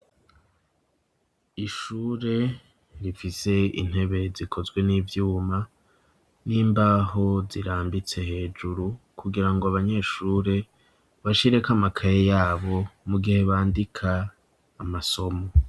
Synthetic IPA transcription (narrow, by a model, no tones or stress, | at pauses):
iʃuːɾe̞ | ɾifise̞ḭn̥he̞βe̞zikʰo̞zɡwe̞niːvjuːma | niːmbaːɦo̞ziɾaːmbit͡se̞he̞ːd͡ʒuɾu | kʰuɡiɾaŋɡoaβaɲe̞ʃuːɾe̞ | βaʃiɾe̞kamakʰajejaːβo̞muɡihe̞βaːndikʰaː | maso̞mo